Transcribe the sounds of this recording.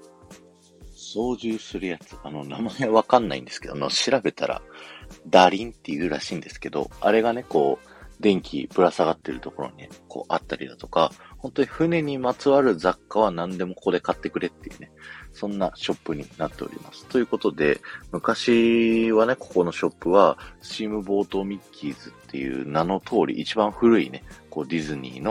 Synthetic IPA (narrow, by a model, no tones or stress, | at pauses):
so̞ːʑɨːsɨɾɯ̟jat͡sɨ̥ano̞namaeβaβakãnːa̰ḭ̃nd̪e̞sɨ̥ke̥oa̰no̰ɕiɾabe̞t̪ʰa̰ɾa̰d̪aɾʲĩnt̪ːe̞jɯ̟ːɾaɕĩːnd̪e̞sɨ̥ke̞d̪o̞̰a̰ɾe̞ɡane̞ko̞ː | d̪ẽ̞ŋkʲḭpɯ̟ɾasaɡat̪ːeɾɯ̟t̪o̞ko̞ɾo̞̰ɲ̟ikʰo̞̰ːʔat̪ːaɾʲḭd̪at̪o̞kahõ̞nt̪o̞ɲiɸɯ̟ne̞ɲ̟imat͡sɨβaɾɯ̟zakːaβ̞anãnd̪e̞mo̞koko̞d̪e̞kat̪ːe̞kɯ̟ɾe̞t̪ːejɯ̟nesõ̞nːaɕo̞pːɯ̟ɲ̟ḭnat̪ːe̞oɾʲḭmasɨ̥t̪o̞jɯ̟ko̞t̪o̞d̪e̞mɯ̟kaɕiβane̞ko̞̥ko̞no̞ɕo̞pːɯ̟βat͡ɕiːmɯ̟bo̞ːt̪o̞mʲikʲʰːiːzɨt̪ːe̞̰jɯ̟̰ːnano̞t̪ʰo̞ːɾʲḭʔːt͡ɕibãɰ̃ɸɯ̟ɾɯ̟ine̞ko̞ːd̪ʲizɨɲ̟ʲḭːno̞